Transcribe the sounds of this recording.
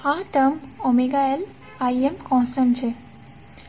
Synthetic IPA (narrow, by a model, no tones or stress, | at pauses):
haʈəmɔmeɡael | ajemkɔ̃sənt͡ɕe